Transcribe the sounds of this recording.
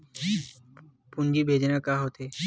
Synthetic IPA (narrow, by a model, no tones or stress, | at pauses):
pund͡ʑibʱed͡ʒenakaɦot̪ʰe